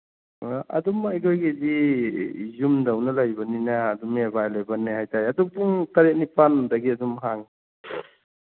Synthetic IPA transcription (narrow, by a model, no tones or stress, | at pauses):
ʔɐ̰dumɐjkʰojɡidi | zumdawnɐlajbɐninɐːdumebajlejbɐnːehajtajɐduk̚duŋtɐɾet̚nipandɐɡiɐdumɦaŋ